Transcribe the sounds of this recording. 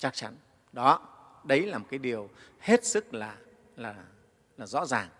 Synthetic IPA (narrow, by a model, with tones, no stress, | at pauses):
t͡ɕa˦˥k̚t͡ɕa̰˨˧˦n | ɗɔ˨˦ɗə˨˦jlaː˨˩mo˨˩t̚kaː˨˦jɗi˨˩əwhe˦˥t̚sɨ˦˥k̚laː˨˩ | laː˨˩ | laː˨˩zɔ̰˧˥zaː˨˩ŋ